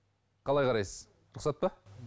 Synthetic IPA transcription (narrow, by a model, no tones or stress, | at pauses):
qʰɑlˠɑjqʰɑɾɑjsəz̥ | ɾʊqsɑt̪̚pɑ